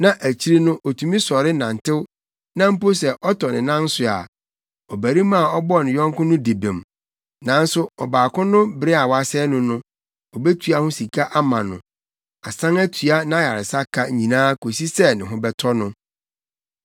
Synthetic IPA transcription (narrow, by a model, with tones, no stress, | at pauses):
nã˨ʔæ˨t͡ɕʰi˦ɾi˦nʊ̃˦ʔɔ˨tʰũ˨mĩ˦sɔ˨ɾɪ˦nã˨ntʰɪ˦w | nã˦m̩˦po˦sɛ˨ʔɔ˦tʰɔ˨nɪ̃˨nã˦n̩˦sʊ˨a̰˨ | ɔ˨bæ˨ɾi˦mã˦˨ɔ˦bɔ˦˨nɪ̃˨jɔ̃˦ŋkʊ̃˦nʊ̃˦de˨bẽ˨m | nã˨n˦sʊ˦ɔ˨baː˨kʊ̃˦nʊ̃˦bɪ˦ɾɪ˦a˨wa˦sɛ˦nʊ̃˦nʊ̃˦ | ɔ˨bɛ˦tʰɥa˦hʊ̃˦si˨kʰa˦ʔa˦mã˨nʊ̃˨ | a˨sã˦ŋæ˦tʰɥa˦nã˦˨ja˨ɾɪ˨sa˦kʰa˦ɲĩ˨nãː˦kʰo˨si˦sɛ˦nɪ̃˨ɦʊ̃˦bɛ˦tʰɔ˦nʊ̃˦